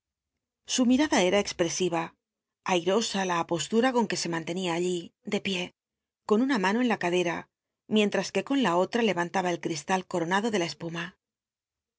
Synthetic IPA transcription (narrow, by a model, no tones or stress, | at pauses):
sumiɾaðae̞ɾae̞kspɾe̞siβa | ajɾo̞salaːpo̞st̪uɾako̞ŋke̞se̞mãnt̪e̞niaːʎid̪e̞pje̞ | ko̞nunamano̞e̞nlakaðe̞ɾa | mje̞nt̪ɾaske̞ko̞nlao̞t̪ɾale̞βant̪aβae̞lkɾist̪alko̞ɾo̞naðo̞ðe̞lae̞spuma